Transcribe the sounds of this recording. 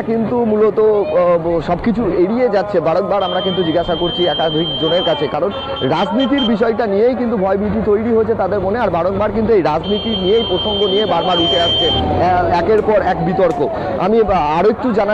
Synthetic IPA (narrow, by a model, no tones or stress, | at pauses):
kint̪umulot̪o | ʃɔbkit͡ɕʰueɽied͡ʑatːɕʰebaɽok̚baɾamɾakint̪̬ud͡ʑiɡaʃakoɾt͡ɕʰiɛkad̪ʱikd͡ʑoneɾkat͡ɕʰekaɾon | ɾad͡ʑnit̪iɾbiʃ̬ɔeʈanijejk̬int̪ubʱɔebʱiʈit̪ojɽiɦoet͡ɕʰet̪ad̪eɾmoneaɾbaɽok̚baɾk̬int̪uejɾad͡ʑnit̪inijejpɾoʃoŋɡonijebaɾmaɾuʈʰeaʃt͡ɕʰeɛkeɾpɔɾɛkbit̪oɾko | a̰miaɾoek̚ʈud͡ʑana